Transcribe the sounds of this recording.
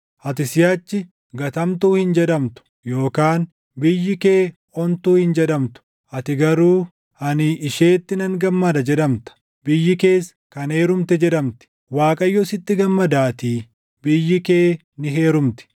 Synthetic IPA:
ʔɐt̪ɪsɪjaːt͡ʃːɪ | ɡɐt̪ɐmt̪uːhɪnd͡ʒɛᶑ̪ɐmt̪ʊ̥ | jo̞ːkaːn | bɪjːɪke̞ː | ɔnt̪uːhɪnd͡ʒɛᶑɐmt̪ʊ̥ | ʔɐt̪ɪɡɐɾuː | ʔɐnɪʔːʃe̞ːt̪ːɪnɐŋɡɐmːɐd̪ɐd͡ʒɛᶑɐmt̪ɐ̥ | bɪjːɪke̞ːs | kɐne̞ːɾʊmt̪ɛd͡ʒɛᶑɐmt̪ɪ̥ | waːkʼɐjːɔsɪt̪ːɪɡɐmːɐd̪aːt̪iː | bɪjːɪke̞ː | nɪɦe̞ːɾʊmt̪ɪ̥

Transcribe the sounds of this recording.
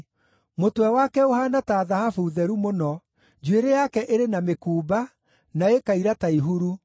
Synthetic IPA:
motwɛwakɛoɦanataːðahafuðɛɾumonɔ | d͡ʒweɾejakɛʔeɾenamekuːba | naekaiɾataiɦuɾu

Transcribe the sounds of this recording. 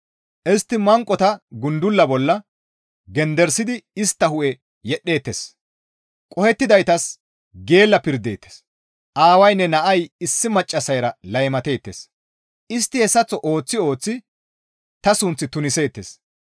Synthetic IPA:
ʔɛst̪ːɪmɐŋkʼɔt̪ɐɡʊnd̪ʊlːɐbɔlːɐ | ɡɛnd̪ɛɾsɪd̪ɪɪst̪ːɐhʊʔɛ | jɛɗːe̞ːt̪ːḛs | kʼɔhɛt̪ːɪd̪ɐjt̪ɐs | ɡe̞ːlːɐpɪɾd̪e̞̰ːt̪ːe̥s | ʔaːwɐjnːɛnɐʔɐjɪsːɪmɐt͡ʃʼːɐsɐjɾɐlɐjmɐt̪e̞ːt̪ːḛs | ɪst̪ːɪhɛsːɐt͡sːɔʔo̞ːt͡sːɪo̞ːt͡sːɪ | t̪ɐsʊnt͡sːɪt̪ʊnɪse̞ːt̪ːḛs

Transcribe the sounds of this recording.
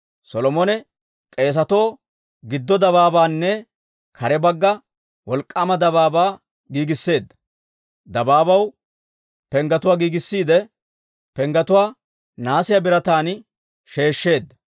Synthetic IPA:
sɔlɔmɔnɛ | kʼe̞ːs̬ɐt̪o̞ː | ɡɪd̪ːɔd̪ɐβaːbaːnːɛ | kʰɐɾɛbɐɡːɐ | wɔlkʼːamɐd̪ɐβaːbaː | ɡiːɡɪsːe̞ːd̪ːɐ̥ | d̪ɐbaːbɐw | pɛŋɡɐt̪ʊwaːɡiːɡɪsːiːd̪ɛ | pɛŋɡɐt̪ʊwaː | naːsɪjɐbɪɾɐt̪aːn | ʃe̞ːʃːe̞ːd̪ːɐ

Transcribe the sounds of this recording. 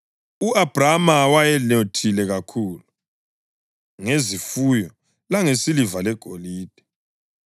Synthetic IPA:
uab̥ʱramawajɛlotʰilɛɣakʰuːlu | ŋezifujɔ | laŋesilivalɛɡ̥ʱoliːd̥ʱɛ̥

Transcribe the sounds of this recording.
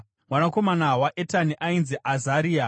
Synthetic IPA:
mwanako̞manawaʔetaniʔainziʔazaɾiːa

